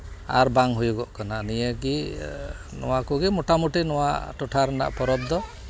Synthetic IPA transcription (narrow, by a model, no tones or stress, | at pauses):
a̰ɾbaŋɦujuɡɔʔkananijeɡi | nɔ̰wakuɡimoʈamuʈinɔwa̰ʈɔʈʰaɾna̰ʔpɔɾɔd̪ɔ